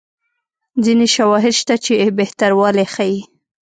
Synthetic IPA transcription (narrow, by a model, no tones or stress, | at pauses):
d͡zineʃawɑɦɪd̪ʃt̪at͡ʃebeht̪aɾwɑlexaji